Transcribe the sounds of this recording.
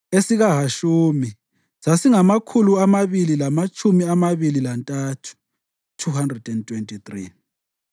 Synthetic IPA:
esiɣaɦaʃuːmi | sasiŋamakʰuluamaβililamat͡ʃʰʼumiamaβililantʼatʰu̥ | tʰuɦandrɛdɛntʰʼwentʼit̪ri

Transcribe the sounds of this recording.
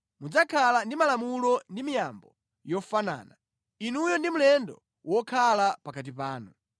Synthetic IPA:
mud͡zakʰalandimalamulɔndimijambɔ | jɔfana̰ːna | inujɔndimulɛndɔ̰ | wɔkʰalapakat̬ipaːnu

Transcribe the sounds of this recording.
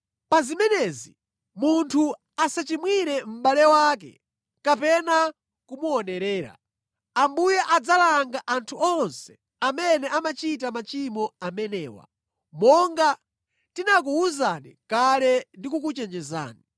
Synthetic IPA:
pazimɛnɛzi | muntʰu | asat͡ʃimwiɾɛm̩balɛwaːk̬ɛ̰ | kapɛna | kumuɔnɛɾɛːɾa̰ | ambujɛʔad͡zalaŋɡaʔantʰuɔnsɛ̥ | amɛnɛʔamat͡ʃit̬amat͡ʃimɔamɛnɛːwa̰ | mɔŋɡa | tinak̬uuzanikalɛndikukut͡ʃɛnd͡ʒɛza̰ːni

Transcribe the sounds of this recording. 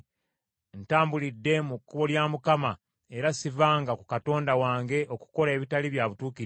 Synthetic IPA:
ntaːmbulidːe̞mukːuβo̞ljaːmukama | e̞ɾasivaːŋɡaku̥kato̞ːndawaːŋɡe̞ʔo̞ku̥ko̞le̞βitaliβjaːβutuːki

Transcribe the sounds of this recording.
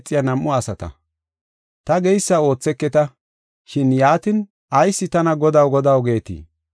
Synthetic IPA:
t͡sʼːɪjɐnɐmːʊɐsɐt̪ɐ̰ | t̪ɐɡɛjsːɐo̞ːt͡sːɛkːɛt̪ɐ | ʃɪnjaːt̪ɪn | ɐjsːɪt̪ɐnɐɡɔd̪ɐwɡɔd̪ɐwɡe̞ːt̪ḭː

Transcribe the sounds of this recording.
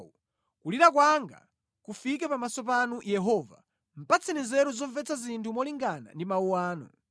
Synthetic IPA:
u | kuliɾak̬waŋɡa̰ | kufik̬ɛpamasɔp̬anujɛɦɔva̰ | m̩pat͡sʰɛnizɛɾuzɔɱvɛt͡sʰazintʰumɔliŋɡana̰ndimauwaːnɔ̰

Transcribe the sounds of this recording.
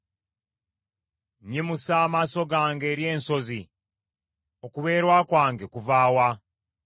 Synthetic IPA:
ɲimusaːmaso̞ɡaːŋɡe̞ːɾje̞ːnso̞zi | o̞kuβe̞ːɾwakwaːŋɡe̞kuvaːwa

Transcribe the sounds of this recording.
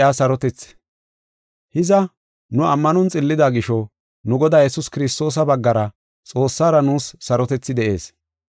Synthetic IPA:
aːsɐɾɔt̪ɛt͡sː | hɪzɐ | nʊɐmːɐnɔnt͡sʼɪlːɪd̪aːɡɪʃɔ | nʊɡɔd̪aːjɛsʊskɪɾɪst̪o̞ːs̬ɐbɐɡːɐɾɐ | t͡sʼo̞ːsːaːɾɐnuːsːɐɾɔt̪ɛt͡sːɪd̪ɛʔe̞̰ːs

